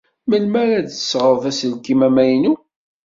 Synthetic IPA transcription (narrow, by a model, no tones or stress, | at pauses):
məlmæɾæd̪əsʁəvæsəlkimæmæjnu